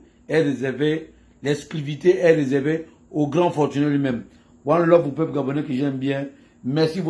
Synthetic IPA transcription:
ɛɾezɛve | lɛskliviteʔɛɾezɛʁve | oɡɾãfɔtynɛlemɛm | wãllɔpupøp̚ɡabonekiʒɛmbjɛ̃ | mɛsibo

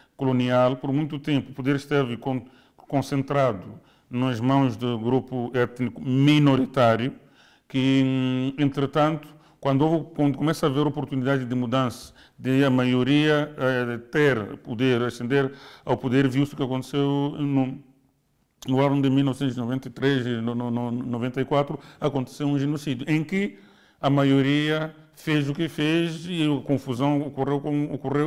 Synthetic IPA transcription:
kolonialˠpoɾmũj̃t̪ut̪ẽmpuːpud̪eɾʃt̪evɐkõ | kõsẽnt̪ɾad̪u | nɐʒmɐ̃w̃ʒd̪uɡɾupuɛt̪nikuminoɾit̪aɾju | kɨ | ẽnt̪ɾɨt̪ɐ̃nt̪u̥ | kwɐ̃nd̪uovkɐ̃nd̪ukumɛsɐveɾopoɾt̪unid̪ad̪ɪd̪ɨmud̪ɐ̃sɐ̥ | d̪ɪɐmajuɾiɐt̪eɾpud̪eɾɐsẽnd̪eɾawpud̪eɾviwst̪u̥kɐkõnt̪e̥sewnu | nuanud̪ɪmilnɔvsẽt̪uzinovẽnt̪ɐit̪ɾezinnovẽnt̪ɐikwat̪ɾuɐkõnt̪e̥sewũʒenosid̪juʔẽkɪ | ɐmajoɾiɐfezukɪfeziɐkõfuzɐ̃w̃okorewkomokurew

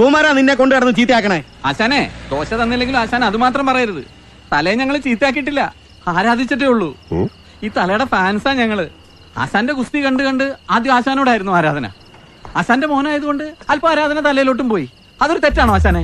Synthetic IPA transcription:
tuːmaːɾaninːeko̞ɳɖɨɐɽɐnːɨt͡ɕiːt̪ijaːkːɐɳɐmeː | a̰ːɕaːne̞d̪o̞ːɕɐðɐnːilːe̞ŋɡilumaːɕaːnɐmɐðumaːt̪rɐmpɐrɐjiɾɐðɨ̰ | t̪ɐlɐɲɐŋːɐɭt͡ɕiːt̪ːijaːk̬ːiʈ̬ːilːɐ | aːɾaːd̪ʱit͡ɕːɐʈ̬ːeuɭːu | iːt̪ɐlɐjuɽefaːnsaːɲɐŋːɐɭɨ | a̰ːɕaːnde̞kust̪ikɐɳɖɨkɐɳɖɨaːd̪jaːɕaːnoːɽaːjiɾunːuaːɾaːd̪ʱɐnɐ̰ | aːɕaːnde̞mo̞ːnaːjɐðuko̞ɳɖɨɐlpoːaːɾaːd̪ɐnɐt̪ɐlɐjɐlo̞ːʈ̬ːumpo̞ːji | ɐðo̞ɾut̪e̞tːaːɳoaːɕ̬aːne

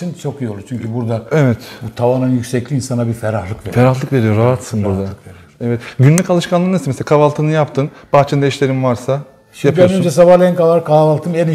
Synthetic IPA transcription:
int͡ʃʰo̞kijolˠut͡ʃʰyɲcybuɾd̪aevɛt̪but̪ʰavanɯnjycsɛclʲiːnsanabifɛɾahlˠɯkvefeɾahlˠɯkve̞ɾijo̞ɾaɦat̪sɯnbuɾd̪a | evɛt̪ɟynlʲycalˠɯʃkʰanˠaɾnesmeselkʰavalˠt̪ʰɯnɯjapt̪ʰɯnb̥axt͡ʃʰɯnd̪ajiʃlʲe̞ɾimvaɾsa | japʰjøonønd͡ʒɛsabaɾlʲˠɛnkavaɾkavalˠt̪ʰɯmɛni

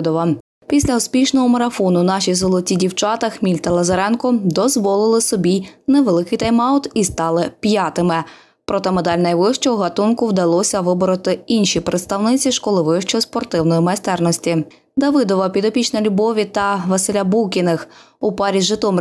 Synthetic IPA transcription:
d̪ɔʋɐ | pʲisʲlʲɐʊspʲiʃnɔɦɔmɐɾɐfɔnʊnɑʃijzɔlˠɔtʲidʲiwt͡ʃɑt̪ɐxmʲilʲt̪ɐlˠɐzɐɾɛnkɔd̪ɔzʋɔlˠɪlˠɪsɔbʲineʋelˠɪkɪjt̪ɐjmɑwt̪ist̪ɑlˠɪpjɑt̪ɪmɪ | pɾɔt̪ɛmed̪ɑlʲnɐjʋɪʃt͡ʃɔɔɦɐt̪unkʊwd̪ɐlˠɔsʲɐʋɪbɔɾɔt̪ɪinʃʲipɾʔet̪st̪ɐwnɪt͡sʲiʃkɔlˠɪʋɪʃt͡ʃɔspɔrt̪ɪwnɔjimɐst̪ɛrnɔsʲtʲi | d̪ɐʋɪd̪ɔʋɐpʲid̪ɔpʲit͡ʃnɐlʲʊbɔʋʲit̪ɐʋɐsɪlʲabukʲinɪx | ʊpɑɾʲiʒɪt̪ɔm

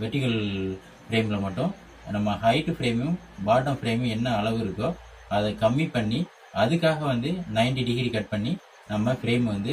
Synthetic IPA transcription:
ʋɛʈːɪkɐl | fɪɾeːmɪlɐmɐʈːʊ̃ | nɐmːɐhɐɪʈːɯfɪɾeːmjʊ̃ | baːʈːɐmfɪɾeːmʊ̃ɛnːɐːɭɐʋɯɪɾɯkːõ | ɐðɐkɐmːipɐɳːi | ɐðɯkːaːɣɐʋɐnd̪ɯnɐɪɳʈiɖɪɡɾikɐʈ̚pɐɳːi | nɐmːɐfɪɾeːmʋɐnd̪ɯ

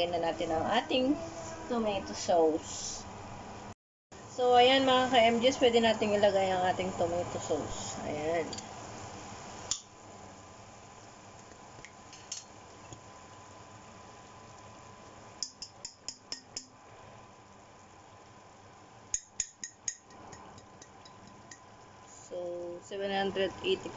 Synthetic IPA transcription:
ɪnɐnaːt̪ɪnɐŋʔa̰ːt̪ɪŋt̪omejt̪ʊsows | sowʔɐjanmɐŋakɐʔɛmd͡ʒɛspwɛːd̪ɪnaːt̪ɪŋɪlɐɡajɐŋʔaːt̪ɪŋt̪omejt̪ʊsowsɐ̰jan | sosɛvɛnhand̪ɾɛd̪ʔejt̪ɪ

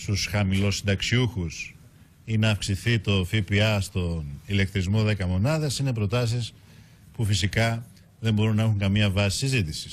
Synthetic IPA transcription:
st̪usxɐmilo̞sːind̪ɐksiuxus | inɐːfksiθit̪o̞fipiɐst̪o̞nile̞k̚t̪ɾizmo̞ðe̞kɐmo̞nɐðesine̞p̬ɾo̞t̪ɐs̬is | pufisikɐ | ðe̞mbo̞ɾunɐe̞xuŋkɐmiɐvɐsi̥sizit̪isi̥s

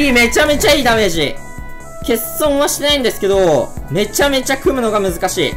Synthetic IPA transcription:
ime̞t͡ɕame̞t͡ɕaiːd̪ame̞ʑi | ke̞ssõ̞ɰ̃βaɕi̥t̪enaĩnd̪esɨ̥ke̞d̪o̞me̞t͡ɕame̞t͡ɕakɯ̟mɯ̟no̞ɡamɯ̟zɨkaɕḭː

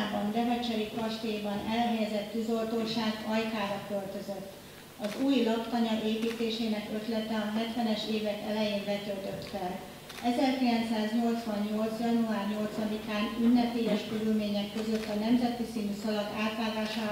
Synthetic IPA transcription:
bɒnd̪ɛvɛt͡ʃɛɾikɒʃt̪ejbɒnɛlɦɛjɛzɛt̪ːyzo̞lt̪oːʃaːɡɒjkaːɾɒkølt̪ø̞zøt̪ː | ɒzuːjlɒpt̪ɒɲɒʔeːpiːt̪eːʃeːnɛkø̞t̪lɛt̪ɛɒɦɛt̪ʋɛnɛʃeːvɛkɛlɛjeːnbɛt̪ølt̪ø̞t̪fɛɾ | ɛzɛrkilɛnt̪saːzɲo̞lt̪sʋɒɲɲo̞lt̪sjɒnuaːrɲo̞lt̪sɒd̪ikaːnynːɛpeːjɛʃkøɾylmeːɲɛkːø̞zø̞t̪ːɒnɛmzɛt̪isiːnysɒlɒkaːt̪ʋaːɡaːʃaː

